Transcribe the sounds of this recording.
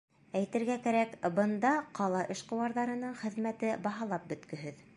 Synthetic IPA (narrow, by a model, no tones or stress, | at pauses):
æjt̪ɘ̆ɾɡækæɾækbɤ̆nd̪ɑqɑlˠɑʔɘ̆ʃqɤ̆wɑɾðɑɾɤ̆nɤɴχɘ̆ðmæt̪ɘbɑɦɑlˠɑp̚bɵ̆t̪kɵ̆ɦɘð